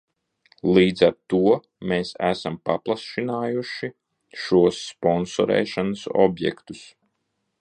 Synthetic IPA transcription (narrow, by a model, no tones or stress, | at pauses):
lˠiːd̪zaɾt̪uɔ | meːsæ̰sampaplˠasʃinaːjuʃi | ʃuɔsːpɔnsɔɾɛ̰ːʃanasɔ̰bjɛ̰kt̪u̥s